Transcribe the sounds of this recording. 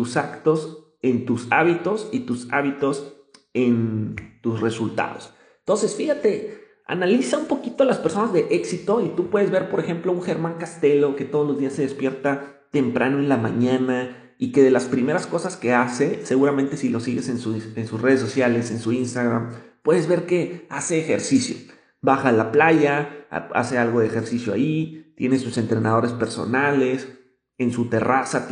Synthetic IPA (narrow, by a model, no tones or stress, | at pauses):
t̪usakt̪o̞s | e̞nt̪usa̰βit̪o̞sit̪usa̰βit̪o̞s | ent̪usre̞sult̪a̰ðo̞se | nnt̪o̞nse̞sfixat̪e̞ | a̰nalisaumpo̞kit̪oalaspeɾso̞nazðe̞ʔe̞ksit̪o̞it̪upwe̞ðe̞zβe̞ɾpo̞ɾexe̞mplo̞uŋxe̞ɾmãŋkast̪e̞lo̞ke̞t̪o̞ð̞olo̞zðiase̞ðe̞spje̞ɾt̪a | t̪e̞mpɾʔa̰noenlamãɲãna | ike̞ðe̞laspɾime̞ɾasko̞saske̞ase̞se̞ɣuɾamẽnt̪e̞silo̞siɣe̞sensuensusre̞ðes̬o̞sjale̞se̞nsuinst̪aɣɾampwe̞ðe̞zβe̞ɾke̞ase̞ːxe̞ɾsisjo̞̰ | baxaːlaplaʝaa̰a̰se̞alɣo̞ðeexe̞ɾsisjo̞a̰it̪je̞nesuse̞nt̪ɾe̞nað̞o̞ɾe̞spe̞ɾso̞̰nale̞s | ensut̪e̞rasat